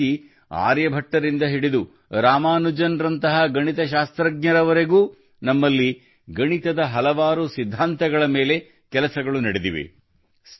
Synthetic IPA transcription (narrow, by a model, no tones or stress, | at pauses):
i | a̰ːɾjɐbʱɐʈːɐɾind̪ɐɦiɽid̪u | ɾaːmaːnud͡ʒɐnɾɐnt̪ɐɦɐɡɐɳit̪ɐʃaːst̪ɾɐɡ̚ɲɐɾɐʋɐɾe̞ɡuː | nɐmːɐlːi | ɡɐɳit̪ɐd̪ɐɦɐlɐʋaːɾusid̪ʱːaːnt̪ɐɡɐɭɐmeːle̞ | kɛlɐsɐɡɐɭunɐɽed̪ḭʋḛ | s